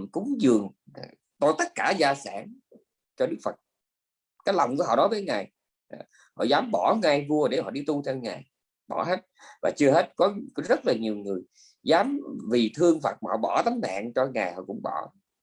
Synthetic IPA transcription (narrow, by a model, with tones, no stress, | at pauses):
kʊ˨˦ŋ͡mzɨ˨˩əŋː˨˩ | t̪o˧jt̪ə˦˥t̚kaː˧˩zaː˧saː˧˩n | t͡ɕɔ˧ɗɨ˦˥k̚fə˨˩t̚ | kaː˨˦jla˨˩wŋ͡mku˧˩əɦɔ̰˧˨ɗɔ˨˦vəː˨˦jŋaː˨˩j | ʔ | hɔ̰˧˨zaː˨˦mɓɔ˧˩ŋa˧jvu˧əɗe˧˩hɔ̰˧˨ɗi˧t̪u˧t̪ʰɛ˧wŋaː˨˩j | ɓɔ˧˩ɦe˦˥t̚vaː˨˩t͡ɕɨ˧əɦe˦˥t̚kɔ˨˦kɔ˨˦zə˦˥t̚laː˨˩ɲi˨˩əwŋɨ˨˩əj | zaː˨˦mvi˨˩t̪ʰɨ˧əŋfa̰ː˨˩t̚maː˨hɔ̰˧˨ɓɔ˧˩t̪a˨˦ŋ̟ma̰ː˧˨ŋt͡ɕɔ˧ŋaː˨˩jhɔ̰˧˨˩kʊ̰˧˥ŋ͡mɓɔ˧˩